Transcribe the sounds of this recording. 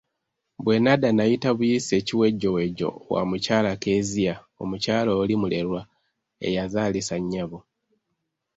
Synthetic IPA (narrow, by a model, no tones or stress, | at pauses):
bwe̞nadanajitaβujise̞ːciwe̞ɟːo̞we̞ɟo̞̰wa̰mucaːlake̞zija | o̞̰mucaːloːlimule̞ɾwa | e̞̰jazaːlisaɲːaβo